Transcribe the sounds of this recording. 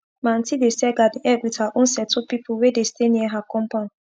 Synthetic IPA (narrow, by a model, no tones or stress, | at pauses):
mãn̩tidesɛɡadiʔɛwitaʔõn̩sɛtʰopipʰuwedesteniɛɦakɔ̃mpãn